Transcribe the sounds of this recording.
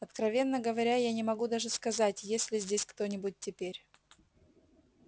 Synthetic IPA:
ɐt̪kɾɐvʲe̞nːəɡəvɐɾʲajanʲɪmɐɡud̪aʐɨskɐzatʲjesʲlʲɪzʲdʲesʲkt̪o̞nʲɪbʊt̚ʲtʲːɪpʲeɾʲ

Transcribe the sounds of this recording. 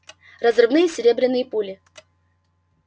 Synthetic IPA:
rɐzrɨvnɨjəsʲɪɾʲebɾʲɪnːɨjəpulʲɪ

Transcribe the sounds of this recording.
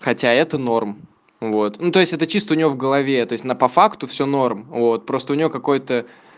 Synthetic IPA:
xɐtʲaɛt̪əno̞rm | vo̞t̪nut̪o̞ɪsʲtʲɛt̪ət͡ɕist̪əʊnʲɪvʲovɡəlˠɐvʲe̞t̪o̞ɪsʲnapɐfakt̪ʊfsʲono̞rmvo̞t̪̚pɾo̞st̪əʊnʲɪvokɐko̞jt̪ə

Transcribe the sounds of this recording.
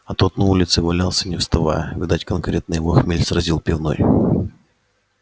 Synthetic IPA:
ɐt̪ot̪nɐulʲɪt̪sɨvɐlʲalˠsʲənʲɪfst̪ɐva̰jəvʲɪd̪atʲkɐnkɾʲet̪nɨjvoxmʲelʲsɾɐzʲilˠpʲɪvno̰j

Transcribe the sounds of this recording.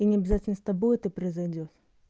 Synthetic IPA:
inʲɪɐbʲɪzatʲɪlnəsʲt̪ɐbojt̪ɨpɾəɪzɐjdʲot̪

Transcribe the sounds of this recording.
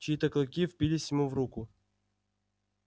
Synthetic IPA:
t͡ɕiit̪əklˠʊkʲifpʲilʲisʲjɪmuvrukʊ

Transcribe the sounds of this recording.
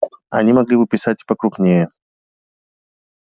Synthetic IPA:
ɐ̰nʲimɐɡlʲibɨpʲɪsatʲpɐkɾuknʲejə

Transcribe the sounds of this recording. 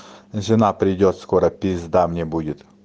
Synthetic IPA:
nsʲɪnapɾʲɪdʲot̪skoɾɐpʲɪzd̪amnʲebudʲɪt̪

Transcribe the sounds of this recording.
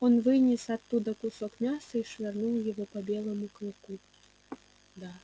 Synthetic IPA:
ɔnvɨnʲɛsat̪ːud̪ɐkusɔkmʲasɐiʂvʲarnuwjavɔpɐbʲɛlˠɐmuklˠɨku | d̪a

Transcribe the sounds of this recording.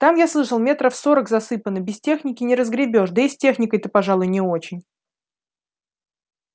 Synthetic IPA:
t̪amjaslˠɨʂəlˠmʲe̞t̪ɾəfso̞ɾəkzɐsɨpənːɨbʲɪstʲe̞xnʲɪkʲɪnʲɪɾəzɡɾʲɪbʲo̞ʂd̪əɪsʲtʲe̞xnʲɪkəjt̪əpɐʐalˠʊjnʲɪo̞t͡ɕɪnʲ

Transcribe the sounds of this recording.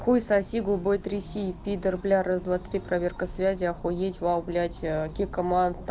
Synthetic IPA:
xujsasʲiɡubojt̪rʲisʲipʲid̪ərblʲaɾəzd̪vat̪rʲipravʲerkəsvʲazʲiaxojetʲvawblʲatʲkʲikomant̪

